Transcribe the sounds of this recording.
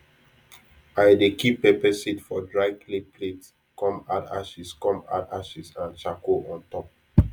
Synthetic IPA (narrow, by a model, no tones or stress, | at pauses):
aɪdekipepɛsitfɔdɹaɪklepʰlets | kɔ̃ma̰ta̰ʃiskɔ̃ma̰taʃisãnt͡ʃakoɔ̃ntɔp̚